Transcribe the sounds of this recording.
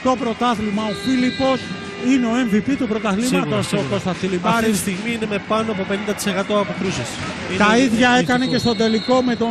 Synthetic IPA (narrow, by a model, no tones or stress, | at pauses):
t̪o̞pɾo̞t̪ɐθlimɐo̞filipo̞s | ineo̞e̞ɱvipit̪upɾo̞t̪ɐθlimɐt̪o̞soko̞st̪ɐt͡silibɐɾisst̪iɣmiinemepɐnoɐpo̞pe̞nind̪ɐt̪i̥sekɐt̪o̞ɐpot̪ɾuses | t̪ɐiðʝɐekɐne̞ce̞st̪o̞d̪e̞liko̞me̞t̪o̞